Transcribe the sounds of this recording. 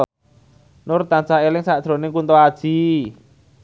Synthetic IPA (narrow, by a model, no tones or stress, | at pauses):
nʊrt̪ant͡ʃaelɪŋsaʔd̥ɾo̤nɪŋkunt̪oad̥ʒ̥i̤